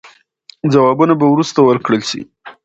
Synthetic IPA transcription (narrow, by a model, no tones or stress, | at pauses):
d͡zawɑbunabawɾust̪awəɾkɽəlʃḭ